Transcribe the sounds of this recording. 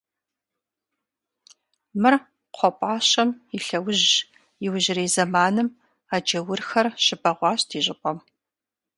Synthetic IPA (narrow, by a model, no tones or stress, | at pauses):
mɨr | qʷʰɔpʼɑːɕɐmiɬɐwʊʑ | jɪwʑɪreːzɐmaːnɨm | aːd͡ʒɐwʊrxɐrɕɪbɐʁʷɑːɕtʰiːʑʼɪpʷʼɔm